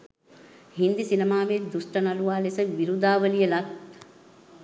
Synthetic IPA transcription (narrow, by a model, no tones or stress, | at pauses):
hind̪isinemaːʋed̪usʈɐnɐluʋaːlesəʋiɾud̪aːʋəlijəlat̪